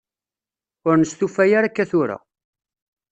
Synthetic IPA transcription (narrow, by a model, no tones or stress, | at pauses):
ʊɾnəst̪ufæjaɾakːæθʊɾa̰